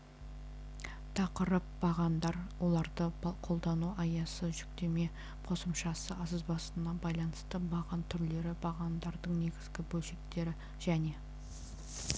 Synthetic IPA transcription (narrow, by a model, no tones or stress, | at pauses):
t̪ʰɑqəɾəp̚bɑʁɑnd̪ɑɾwo̞lˠɑɾd̪əqʰo̞lˠd̪ɑnuɑjɑsəʒʏk̚t̪e̞me̞ | qʰo̞səmʃɑsəʔɑsəzbɑsənɑbɑjlˠɑnəst̪əbɑʁɑnt̪ʰʏɾle̞ɾɪbɑʁɑnd̪ɑɾd̪əɴne̞ɡʲɪzɡʲɪbɵlʃe̞k̚t̪e̞ɾɪ | ʒ̥æne̞